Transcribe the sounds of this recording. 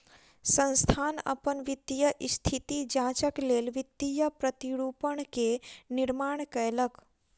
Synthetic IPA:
sə̃nst̪ʰaːnə̰pənʋɪd̪ijəʔɪst̪ʰit̪id͡ʒãːt͡ʃəkleːlʋɪd̪ijəpɾət̪iɽuːpəɳ̃kenɪɾmaːɳ̃kəjlək

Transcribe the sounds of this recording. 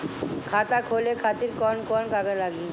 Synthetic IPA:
kʰat̪akʰolekʰat̪iɾkɔnkɔnkaɡalaɡi

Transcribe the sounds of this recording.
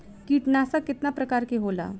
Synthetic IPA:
kiːʈnasakɪt̪napɾəkaɾkeɦola̰

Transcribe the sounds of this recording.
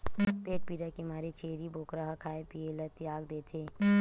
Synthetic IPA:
peːʈ̚piːɾakimaːɾet͡ʃeːɾiboːkɾaɦakʰaːepieːlət̪jaːɡd̪eːt̪ʰeː

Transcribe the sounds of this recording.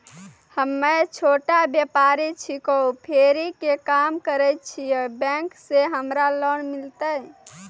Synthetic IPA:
həmːet͡ʃʰoʈabjəpaɾit͡ʃʰikopʰeɾikekamkəɾɛt̪̚t͡ʃʰijəbɛ̃kseɦəmɾalənmilt̪əj

